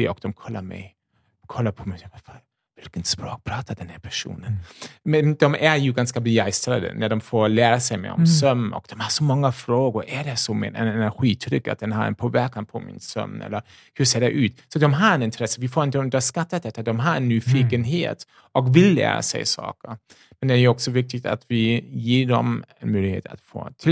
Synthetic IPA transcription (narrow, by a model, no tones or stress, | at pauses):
ɪɔkd̪̥ɔmkʰɔlːa̰mɛ̰j | kʰɔlːaɾpʰɔmɛafaɾ | vɪlkənt̪spɾoːk̚pʰɾɑːt̪ʰad̪ɛnhæpʰæʂṵːnənmɛnd̪ɔmæɾjʉɡanskabəɡɛjst̪ɾad̪ə̰næɖɔmfoːɾlæːɾasɛjmɛ̰ɔ̰mmsœmːɔ̰kd̪̥ɔmhasɔmɔŋːafɾoːɡʊɾʔædɛsɔmɛ̰ɛ̰nɛnæɾɧiːt̪ʰɾʏkːa̰t̪̚d̪ɛnɦa̰ɾɛ̰npʰoːvæɾkanpʰɔmɪ̰nsœ̰mːɛ̰lːəɾ | hʉseːɖɛʔʉ̟ːt̪sɔd̪ɔmɦaɾɛnɪnt̪ʰɾɛsːəvɪfoːɾɪnt̪əɵnd̪əʂkat̪ːat̪̚d̪ɛt̪ːad̪ɔmɦaɾɛnːyːfiːkənɦḛːt̪ | ɔkvɪlːæ̰ːɾa̰sɛ̰ɪsɑ̰ːkəɾ | mɛnd̪ɛæːɾjʉɔksɔvɪk̚t̪ɪɡ̚t̪a̰t̪vɪjeːɖɔ̰mɛnmœʏlɪɡhḛːt̪a̰t̪fo̰ː